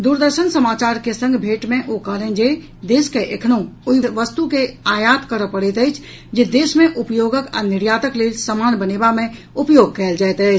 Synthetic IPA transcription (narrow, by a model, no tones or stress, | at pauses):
d̪uːɾd̪əɾʃənsəmaːt͡ʃaːɾkesə̃ŋɡʱbʱeːʈmẽʔokəɦlẽd͡ʒe | d̪eːʃkeʔekʰnõʊiʋəst̪ukeaːjaːt̪kəɾəpəɽet̪ɦɛt͡ʃʰ | d͡ʒed̪eːʃmẽʔʊpjoːɡəkə̰nɪɾjaːt̪əkleːlsəmaːnbəneːbamẽ | ʊpjoːɡ̚kɛːld͡ʒaːɛt̪ət͡ʃʰ